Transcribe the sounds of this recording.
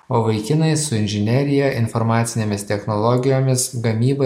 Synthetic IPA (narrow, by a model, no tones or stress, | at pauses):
oːʋɐɪkʲɪnɐɪsʊɪnʲʒʲɪnʲɛɾʲɪjɛʔɪnfɔɾmɑːt̪sʲɪnʲeːmʲɪst̪ʲɛxnolˠɔɡʲɪjoːmʲɪsɡɐmʲiːbɐ